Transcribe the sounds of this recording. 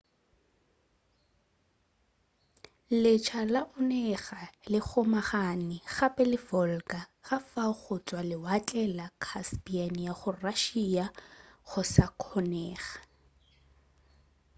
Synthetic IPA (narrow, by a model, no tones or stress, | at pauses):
lɪt͡ʃʰalaʔʊnɛχalɪχʰʊmaχanɪɣapʼɛlɪfɔlkʼaχafaχʊt͡sʼwalɪwat͡ɬʼɛlakʰaspianjaχʊraʃiaχʊsakʰɔnɛːχḁ